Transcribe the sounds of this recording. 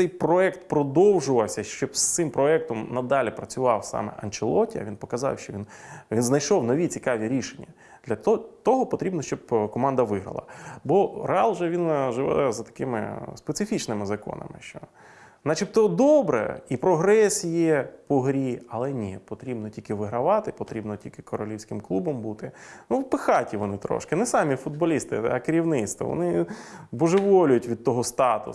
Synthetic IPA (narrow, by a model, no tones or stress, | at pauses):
sɛjpɾɔɛkt̪pɾɔd̪ɔwʒʊʋɐwsʲɐʃt͡ʃɔbst̪ɪmpɾɔɛk̚t̪ɔmnɐd̪ɑlʲipɾɐt͡sʲʊʋɑ̰wsɑ̰mɛ̰ʔɐ̰nt͡ʃɪlˠɔtʲiɐ̰ʋʲinpɔkɐzɑ̰wʃt͡ʃɔʋʲinʋʲinznɐjʃɔwnɔʋʲit͡sʲikɑʋʲiɾʲiʃenʲːɐ | d̥̪lʲɐt̪ɔɦɔpɔt̪ɾʲibnɔʃt͡ʃɔbkɔmɑnd̪ɐʋɪɦɾɐ̰lˠɐ̰bɔɾeɑlˠʒɛʋʲinʒɪʋɛ̰zɐt̪ɐ̥kɪmɪ̰spet̪sɪfʲit͡ʃnɪmɪzɐkɔ̰nɐ̰mɪ̰ʃt͡ʃɔ | nɑt͡ʃipt̪ɔd̪ɔbɾɛ̰ipɾɔɦɾɛsʲjɛpɔɦɾʲiɐlˠɛnʲipɔt̪ɾʲibnɔtʲilʲkɪʋɪɦɾɐʋɑt̪ɪpɔt̪ɾʲibnɔtʲilʲkɪkɔɾɔlʲiwsʲkɪmklˠubɔmbut̪ɪnupɪxɑtʲiʋɔnɪt̪ɾɔ̰ʃkɪnɛsɑmʲifʊd̪̚bɔlʲist̪ɪ̰ɐ̰kɪɾʲiwnɪt̪st̪ʋɔ̰ʋɔ̰nɪbɔʒeʋɔlʲʊjʊtʲʋʲid̪̚t̪ɔɦɔst̪ɑt̪ʊ